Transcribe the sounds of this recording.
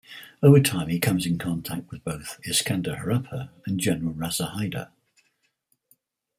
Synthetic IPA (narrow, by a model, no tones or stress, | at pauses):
əʊvətʰãɪ̃mikʰʌ̃mzɪ̃nkʰɒ̃ntʰak̚t̚wɪðbəʊθɪskãndəhəɹapʰəə̃nd͡ʒɛnəɹəlˠɹasəhaɪdə̰